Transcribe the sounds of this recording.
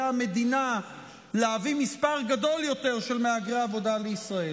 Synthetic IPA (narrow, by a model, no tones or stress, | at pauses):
ame̞d̪ina | leavimispaʁɡad̪o̞ljo̞t̪e̞ʁʃe̞lmeaɡʁeaːvo̞d̪aleisʁae